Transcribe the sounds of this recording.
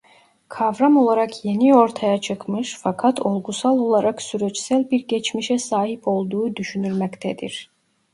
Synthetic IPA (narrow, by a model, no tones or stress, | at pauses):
kʰavɾamo̞lˠaɾakʰje̞nio̞ɾt̪ʰajat͡ʃʰɯkmɯʃfakʰat̪ʰo̞lˠɡusalˠo̞lˠaɾaksyɾɛt͡ʃsælʲbiɾɟet͡ʃmiʃɛsaːɦipʰo̞lˠd̪uːd̪yʃynyɾmɛct̪ʰɛd̪ḭɾ̥